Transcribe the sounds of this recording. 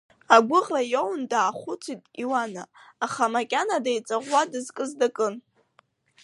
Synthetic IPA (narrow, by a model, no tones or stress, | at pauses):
aɡʷʊʁrajowndaːχʷʊt͡sʰitʼiwanaːχamakʲʼanadajt͡sʼaʁʷadɨzkʼɨzdakʼɨn